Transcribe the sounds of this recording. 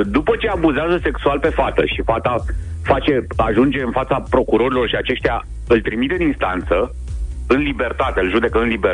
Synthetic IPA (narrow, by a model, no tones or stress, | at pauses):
d̪upət͡ʃe̞abuzeazəse̞ksualpe̞fat̪ə̰ʃifat̪a | fat͡ʃe̞aʒund͡ʒe̞ɨnfat̪sapɾo̞kuɾo̞ɾilo̞rʃiat͡ʃe̞ʃt̪eja | ɨlt̪ɾimit̪eɨninst̪ant̪sə | ɨnlibe̞rt̪at̪eɨlʒud̪e̞kəɨnlibe